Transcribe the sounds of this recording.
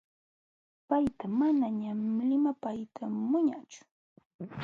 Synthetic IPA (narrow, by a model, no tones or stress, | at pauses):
pajt̪amanaɲamlɪmapajt̪ʰamʊɲat͡ʃʊ̥